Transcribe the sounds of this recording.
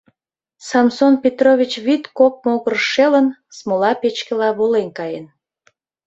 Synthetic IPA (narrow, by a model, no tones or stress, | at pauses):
sɑmsonpʲet̪roβʲit͡ɕβit̪kok̚moɣərʃelənsmolɑpet͡ɕkəlɑβolenkɑjen